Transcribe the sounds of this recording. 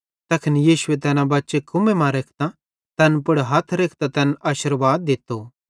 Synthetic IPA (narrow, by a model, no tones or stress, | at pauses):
t̪ɐkʰənjiːsʊet̪̬ɛːnãbɐtːʃekʰʊmemãɾeːkʰt̪a | t̪ɛːnpʊɽɦɐt̪ʰɾeːkʰt̪ãt̪ɛːnʔaːʃɪɾʋaːd̪ːɪt̪ːo